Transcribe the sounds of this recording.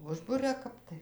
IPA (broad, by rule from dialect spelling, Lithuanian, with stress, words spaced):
ˈʊʒbʊrʲɛ ˈkɐp tɐɪ